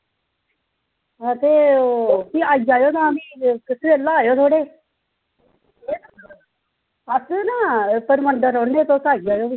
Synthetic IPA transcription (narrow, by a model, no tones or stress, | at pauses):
t̪eːkiːaːid͡ʒaːjoːt̪ãːəmĩːkɪsʰeelːaaːjoːt̪ʰoːɽeː | eː | asnaːpəɾməɳɖəɾoːɳneːt̪oːsaːid͡ʒaːjoːbiː